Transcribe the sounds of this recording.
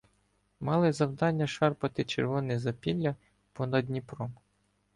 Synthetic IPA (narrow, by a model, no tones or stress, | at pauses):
mɑlˠɪzɐwd̪ɑnʲːɐʃɑrpɐt̪ɪt͡ʃerʋɔnɪzɐpʲilʲːɐ | pɔnɐd̪ʲnʲipɾɔm